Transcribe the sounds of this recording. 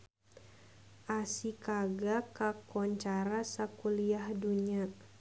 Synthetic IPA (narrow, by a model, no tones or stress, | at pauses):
ʔasikaɡakakɔɲt͡ʃaɾasakuliahduɲa